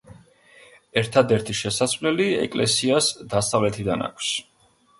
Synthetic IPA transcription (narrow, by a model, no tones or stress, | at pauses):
ɛɾt̪ʰad̪ɛɾt̪ʰiʃɛsasvlɛliɛ̰kʼlɛ̰siasd̪asavlɛt̪ʰid̪ana̰kʷʰs